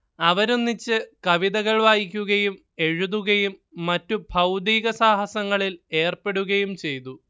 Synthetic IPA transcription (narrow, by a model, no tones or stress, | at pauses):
ɐʋɐɾunːit͡ɕːɨkɐʋiðɐɣɐɭʋaːjikʲːuɣɐjum | e̞ɻuðuɣɐjumːɐtːubʱɐwd̪iːɣɐsaːɦɐsɐŋːɐɭile̞ːrpe̞ɽuɣɐjumt͡ɕe̞jt̪u